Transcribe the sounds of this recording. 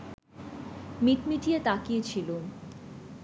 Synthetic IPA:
miʈmiʈijet̪akijet͡ɕʰilo

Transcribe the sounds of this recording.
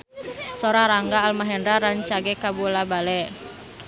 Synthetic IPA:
soɾaɾaŋɡaːlmaɦɛndɾaɾaɲt͡ʃaɡekabulabalɛ

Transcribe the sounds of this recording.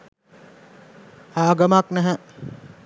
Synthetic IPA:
aːɡəmaknæɦɛ

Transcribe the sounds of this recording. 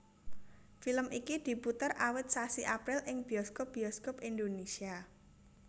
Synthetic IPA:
filəmʔikid̪̥i̤put̪ərawət̪̚sasiʔapɾɪlʔɪŋb̥iɔskop̚b̥i̤ɔskopind̪onesia

